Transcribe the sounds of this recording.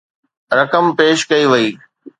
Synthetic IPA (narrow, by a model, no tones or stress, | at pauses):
ɾɐkəmpeːʃkɐiʋɐiː